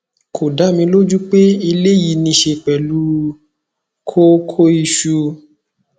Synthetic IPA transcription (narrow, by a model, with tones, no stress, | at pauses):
kʰo˨da˨˦mĩ˧lo˦d͡ʒu˦k͡pe˦i˧le˦ji˨˧nĩ˧˦ʃe˧k͡pɛ˨lu˦ | kʰo˦kʰo˦i˧ʃu˧